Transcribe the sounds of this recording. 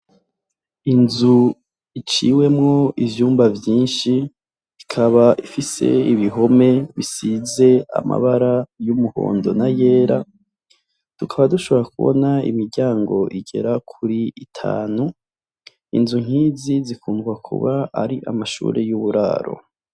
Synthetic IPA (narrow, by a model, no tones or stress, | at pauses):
inzu | it͡ʃiwe̞mŋo̞ʔivjuːmbavjiːnʃi | ikʰaβaʔifise̞̰iβiɦo̞me̞βisize̞a̰ma̰βaɾajumuho̞̰ːndo̞naje̞ːɾa̰ | tukʰaβaduʃo̞βo̞ɾakuβo̰naḭmiɾɟaːŋɡo̞ʔiɡe̞̰ɾakʰuɾiitʰa̰ːnu | ḭnzuŋ̥hiːzizikuːŋɡwakʰṵβaaɾiʔa̰maʃṵːɾejuβuɾa̰ːɾo̞̰